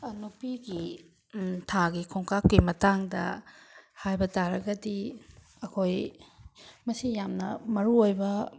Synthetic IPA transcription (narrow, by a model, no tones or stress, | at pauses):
ɐnupiɡi | tʰaɡikʰoŋkakːimɐtaŋdɐ̰ | hajbɐtaɾɐɡɐdi | ɐkʰoj | mɐsijamnɐmɐɾuojbɐ